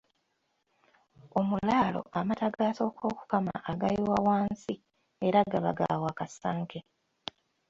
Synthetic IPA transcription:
o̞mulaːlo̞̰ʔamataɡaːso̞ko̞ːku̥kama̰ʔːɡaliwawaːnsi | eɾaɡaβa̰ɡa̰waːkasaːŋke

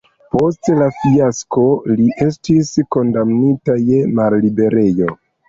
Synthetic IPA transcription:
po̞stlafiasko̞liʔe̞stisko̞ndamnitaje̞mallibe̞ɾe̞jo̞

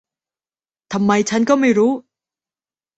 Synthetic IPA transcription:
t̪amːait͡ɕʰank͈ʌmeɾo

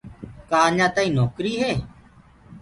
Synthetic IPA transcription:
kaːɲãːt̪aːĩːnoːkɾiːɦeː

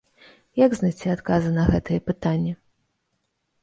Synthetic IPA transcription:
jaɡznajʲt͡sʲiat̪kazɨnɐɣɛt̪ɨjɛpɨt̪anʲːɛ

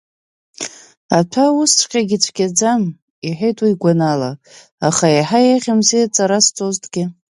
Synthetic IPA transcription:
atʰawʊst͡ʃʷʰʼqʲʼaɡʲɪt͡ɕʷʰɡʲad͡zam | iħejtʼwiiɡʷanala | aχajaħajaʁʲɪmzijat͡sʼaɾast͡sʼoztʰʼɡʲɪ

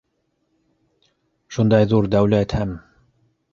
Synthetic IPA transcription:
ʃund̪ɑjðuɾd̪æwlæt̪hæm

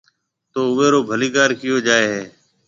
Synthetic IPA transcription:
t̪oːʊʋeːɾoːbʱəliːɡaːɾkɪjoːd͡ʒaːeːɦeː

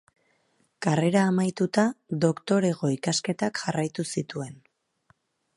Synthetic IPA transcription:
kare̞ɾaːmajt̪ut̪aðo̞kt̪o̞ɾe̞ɣo̞ikaske̞t̪akʝarajt̪usit̪ue̞n

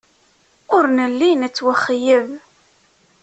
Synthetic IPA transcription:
ʊɾnəlːinət͡sːwəχːjəv

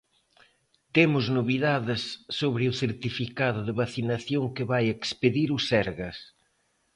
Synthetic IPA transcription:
t̪emʊznoβiðaðɪsːoβɾɪʊθeɾt̪ifikaðʊðɪβaθinaθjoŋkɪβajekspeðiɾʊsɛɾɣɐs

